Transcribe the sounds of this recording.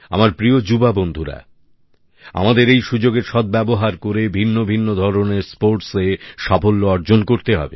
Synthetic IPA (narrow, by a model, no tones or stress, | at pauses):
a̰maɾpɾiod͡ʑubabond̪ʱuɾa̰ | a̰mad̪eɾejʃud͡ʑoɡeɾʃɔd̪̚bɛboɦaɾkoɾebʱinːobʱinːod̪ʱɔɾoneɾspoɾʈseʃabolːoɔɾd͡ʑonkoɾt̪eɦɔ̰bḛ